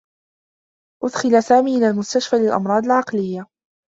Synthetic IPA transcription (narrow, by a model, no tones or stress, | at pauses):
ʔʊd̪xɪlasaːmiːʔɪlaːlmʊst̪aʃfaːlɪlʔɑ̰mɾˤɑːd̪alʕɑqlɪjːa